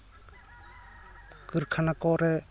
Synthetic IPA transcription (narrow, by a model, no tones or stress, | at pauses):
kɯɾkʰanakɔɾɛ